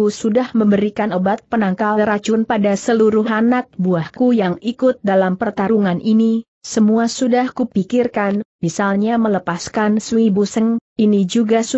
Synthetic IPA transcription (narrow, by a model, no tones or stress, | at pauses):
usudahməmbəɾikanobat̪̚pənaŋkalɾat͡ʃʊnpadasəluɾʊhanak̚buahkujaŋikʊt̪̚dalampərt̪aɾuŋanʔini | səmuasudahkupikirkanmisalɲamələpaskanswibusəŋinid͡ʒuɡas